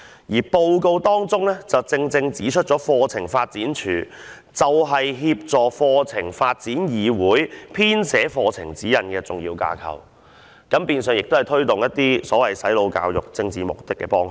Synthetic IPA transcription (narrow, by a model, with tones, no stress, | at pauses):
jiː˨˩po˧wko˧wt̪ɔː˥ŋt͡sʊ˥ŋlɛː˥t͡sɐ˨wt͡sɪ˧ŋt͡sɪ˧ŋt͡siː˨˥t͡ʃʰt̚t͡ʃɔː˨˥fɔː˧t͡sʰɪ˨˩ŋfaː˧t̚t͡siː˨˥nt͡ʃʰyː˨˩ | t͡sɐ˨wɦɐ˨jɦiː˧p̚t͡sɔː˨fɔː˧t͡sʰɪ˨˩ŋfaː˧t̚t͡siː˨˥njiː˨wuː˨˥jpʰiː˥nsɛː˨˥fɔː˧t͡sʰɪ˨˩ŋt͡siː˨˥jɐ˨˩nkɛː˧t͡sʊ˨ŋjḭː˧wka̰ː˧kʰɐ̰˨˩w | kɐ˨˥mpiː˨˧nsœː˨ŋjɪ˨k̚t̪o˥ɐ˨jt̪ʰɵ˥ɥt̪ʊ˨ŋjɐ˥t̚t̪iː˥sɔː˨˥wɐ˨˩jsɐ˨˥jlo˨˧wka̰ː˧wjʊ̰˨˩k̚t͡sɪ˧ŋt͡siː˨˩mʊ̰˨˩k̚t̪ɪ˥kːɛ̰ː˧pɔː˥ŋ